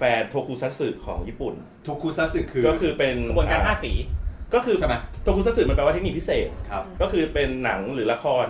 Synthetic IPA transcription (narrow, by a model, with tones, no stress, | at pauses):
fɛː˧nt̪ʰoː˧kʰuː˧sa˦˥t̪̚sɯː˨˩kʰːɔː˩˦ŋjiː˥˩pu˨˩n | t̪ʰo˧kʰuː˧sa˦˥t̪̚sɯ˨˩kʰɯː˧kɔː˥˩kʰɯː˧pe˧n˧˩˦t͡ɕa˧˩aː˥˩siː˩˦kɔː˥˩kʰɯː˧a˥˩ma˦t̪ʰoː˧kʰu˧sa˥sɯː˨˩m˧npːwa˥˩e˥i˨˩pʰi˥seː˨˩t̪̚kʰa˧kɔː˥˩kʰɯː˧pe˧nːa˩˦ŋɾɯː˩˦la˧kʰɔː˧n